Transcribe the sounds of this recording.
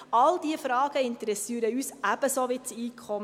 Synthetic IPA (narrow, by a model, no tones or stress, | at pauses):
ɑld̥̪iəfɾɑːɡ̥əɪnt̪əɾɛsiːəɾəyːsæb̥əsoʋɪt͡siːkʰχɔm